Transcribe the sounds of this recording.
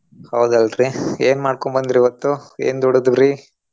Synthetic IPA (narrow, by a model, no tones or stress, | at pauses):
hɐwd̪uɐlɾieːnmaːɖkombɐnd̪iɾiʋɐt̪ːuḛːnd̪ɔɽɐd̪uɾi